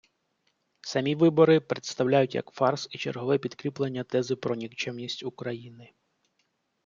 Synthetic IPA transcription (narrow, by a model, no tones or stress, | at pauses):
sɐmʲiʋɪbɔɾɪpɾet̪st̪ɐwlʲajʊtʲjɐ̰kfɑrsit͡ʃerɦɔʋɛpʲid̪kɾʲiplˠenʲːɐt̪ɛzɪpɾɔnʲikt͡ʃɛmnʲisʲtʲukɾɐjinɪ